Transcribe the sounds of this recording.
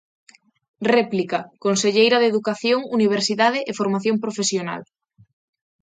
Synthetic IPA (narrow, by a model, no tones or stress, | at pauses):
rɛplikakonseʎejɾɐðeðukaθjoŋuniβ̞eɾsiðað̞eʔefoɾmaθjompɾofesjona̰l